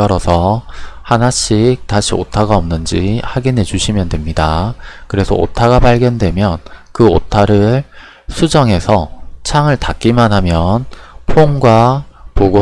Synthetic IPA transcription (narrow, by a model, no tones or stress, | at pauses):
ʌɾʌsʰʌhanaɕ͈ʰik̚taɕʰio̰tʰaɡaʌmnɯnd͡ʑihaɡinɦe̞d͡ʑuɕʰimjʌndwe̞mɲidakɯɾe̞sʰʌ̰o̰tʰaɡapaɭɡjʌndwe̞mjʌnkɯotʰaɾɯɭ | sʰud͡ʑʌŋɦe̞sʰʌt͡ɕʰaŋɯɭtak͈imanɦamjʌnpʰoŋɡwapoɡo